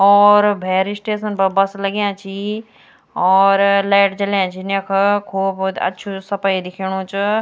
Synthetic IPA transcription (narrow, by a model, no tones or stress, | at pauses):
ɔːɾbʱɛːɾisʈeːsənbɐbɐslɐɡjãːt͡ʃʰiː | ɔːɾleːʈt͡ʃɐljãːt͡ʃʰiːnekʰkʰuːbd̪ɐ̰tːʃʰusɐpaːid̪ɪkʰiːɽ̃ũt͡ʃ